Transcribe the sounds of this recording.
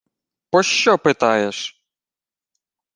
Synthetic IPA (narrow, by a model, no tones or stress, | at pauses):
pɔʃt͡ʃɔpɪt̪ɑjeʃ